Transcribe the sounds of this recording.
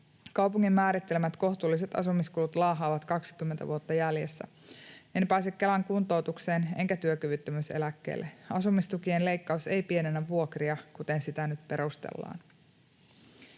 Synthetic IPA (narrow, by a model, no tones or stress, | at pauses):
kɑwpuŋːimːæːɾit̪ːe̞lmæt̪ko̞ht̪uːlːis̬et̪ɑ̰sumiskulut̪lɑːɦɑːʋɑt̪kɑksi̥kymːent̪æ̰ʋuot̪ːɑjælje̞sːæ̰ | enpæjsekːelæŋkunt̪o̞wt̪ukseːne̞ŋkæt̪yøkyʋyt̪ːømyse̞̰lækːe̞̰ːlːʔe̞ɑsumist̪ukienle̞jkːɑuse̞jpie̞nenæʋuo̞kriɑkut̪e̞nsit̪ænyt̪pe̞ɾust̪ḛlːɑ̰ːn